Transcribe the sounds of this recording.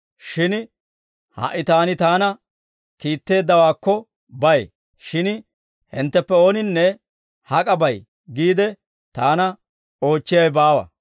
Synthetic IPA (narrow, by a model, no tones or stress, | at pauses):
ʃɪn | hɐ̰ʔːɪt̪aːnɪt̪aːnɐ | kiːt̪ːe̞ːd̪ːɐwaːkːɔ | bɐj | ʃɪn | hɪ̰nt̪ːɛpːɛo̞ːnɪnːɛ | hɐkʼɐbɐj | ɡiːd̪ɛ | t̪aːnɐ | o̞ːt͡ʃːɪjɐjbaːwɐ̰